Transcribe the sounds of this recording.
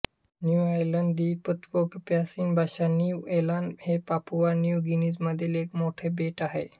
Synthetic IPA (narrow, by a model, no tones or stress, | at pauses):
njuajləɳɖd̪ipət̪kokpasiːnbʱaɕanjuuelãnhepapuʋanjuɡinisməd̪ʱːilekmoʈʰebeʈaɦe